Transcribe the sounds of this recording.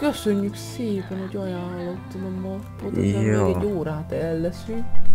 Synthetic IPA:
køsøɲːykseːpɛnhoɟɒjaːlːot̪ːɒnɛmːɒponʃɔŋːɡɛɟːoːɾaːt̪ɛlːɛsy

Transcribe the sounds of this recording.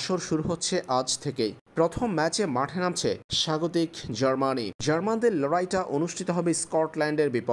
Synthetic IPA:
ʃoɾʃuɾuɦotːɕʰeʔad͡ʑt̪ʰekejpɾot̪ʰomːɛt͡ɕemaʈʰenamt͡ɕʰeʃaɡot̪ikd͡ʑəɾmanid͡ʑəɾmand̪eɾlɔɾajʈaʔonuʃʈʰit̪oɦɔbeskɔʈlɛɳɖeɾbipo

